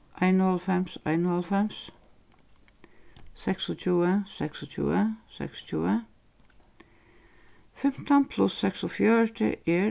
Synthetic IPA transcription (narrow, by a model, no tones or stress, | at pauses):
ʔæɪnɔlfɛmsæ̰ɪnɔlfɛms | sɛksɔt͡ʃʉːəsɛksɔt͡ʃʉ̰ːəsɛ̰kst͡ʃʉːə | fɛmt̪ənpʰlʊsːɛksɔfjœɹʈə̰ʔeː